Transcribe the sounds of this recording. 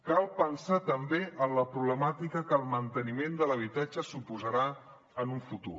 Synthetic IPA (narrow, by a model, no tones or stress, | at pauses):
kalˠpənsat̪əmbeənləpɾuβləmat̪ikəkəlˠmənt̪ənimend̪ələβ̞it̪ad͡ʒəsupuzəɾa | ənuɱfut̪ṵ